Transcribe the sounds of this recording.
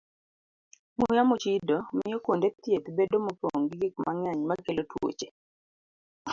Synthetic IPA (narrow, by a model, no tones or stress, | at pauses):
mujamut͡ʃidomɪjɔkondet̪jet̪bedomopoŋɡiɡik̚maŋjaɲmakelotwo̰t͡ʃe̥